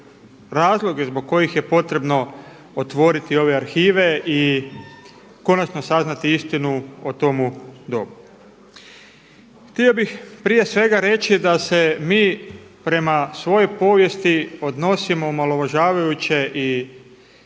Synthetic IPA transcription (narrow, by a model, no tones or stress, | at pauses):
ɾaːzlˠo̞ɡezboɡ̚kːo̞jixje̞po̞t̪ɾe̞bno̞ | ot̪ʋo̞ɾit̪io̞ʋe̞aɾxiːʋe̞i | ko̞nat͡ʃno̞saznat̪iist̪inuot̪o̞mud̪o̞̰bu | xt̪io̞bixpɾije̞sʋe̞ɡaɾe̞t͡ʃid̪ase̞miː | pɾe̞masʋo̞jo̞po̞ʋje̞st̪io̞d̪no̞simo̞umalo̞ʋaʒaːʋajut͡ɕe̞ʔi